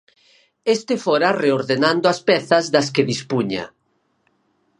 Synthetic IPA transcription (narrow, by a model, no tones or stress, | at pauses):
est̪efoɾareoɾðenãnd̪oaspɛθɐzðɐskeðispuɲa̰